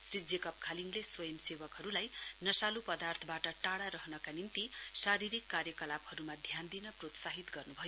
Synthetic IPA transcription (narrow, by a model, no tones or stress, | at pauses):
srid͡zekʌp̚kʰaliŋleswʌjʌmsebʌkɦʌɾulajnʌsalupʌd̪art̪ʰʌbaʈʌʈaɽaɾʌɦnʌkanint̪isaɾiɾikːarjʌkʌlabhʌɾumad̪ʱjand̪inʌprot̪saɦit̪ɡʌrnubʱʌjo